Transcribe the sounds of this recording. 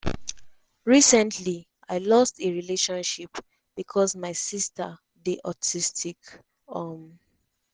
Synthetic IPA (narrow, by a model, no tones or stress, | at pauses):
ɹisɛ̃ntʰli | aɪlɔstʰeɹileʃɔ̃nʃip | b̥ikʰɔsmaɪsistʰə | deʔatʰistʰik | aɔm